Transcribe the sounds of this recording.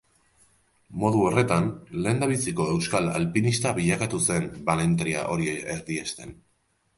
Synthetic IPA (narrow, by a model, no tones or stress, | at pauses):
mo̞ðuo̞re̞t̪anle̞ːnd̪aβisiko̞e̞wskala̰lpinist̪aβiʎakat̪use̞mbale̞nt̪ɾia̰ʔo̞ɾieɾðiest̪e̞n